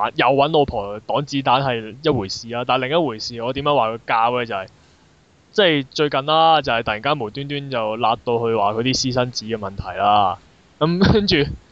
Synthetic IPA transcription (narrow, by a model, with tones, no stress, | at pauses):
njɐ˨˧wːɐ˨˥nlo˨˧wpʰɔː˨˩t̪ɔː˨˥ŋt͡siː˨˥t̪aː˨˥nɦɐ˨jjɐ˥t̚wuː˨˩jsiː˨˩laː˧˥t̪aː˨˩lɪ˨˩ŋjɐ˥t̚wuː˨˩jsiː˨ŋɔː˨˧t̪iː˨˥mjɐː˨˧˥waː˨˩kʰɵ˨˧kaː˧wɛː˧t͡sɐ˨hɐ˨˩j | t͡sɐ˥˩jt͡ʃɵ˧ɥkɐ˨nlaː˥t͡sɐ˨˩hɐ˨jt̪ɐ˨ji˨˩ŋkaː˥nmu˨˩nt̪yː˥nt̪yː˥nt͡sɐ˨wlaː˧t̚t̪o˧whɵ˧ɥwaː˨kʰɵ˨˧t̪iː˥siː˥sɐ˥nt͡siː˨˥kɛː˧mɐ˨˩nt̪ʰɐ˨˩jlaː˥ | kɐ˨˧˥mkɐ˥nt͡ʃyː˨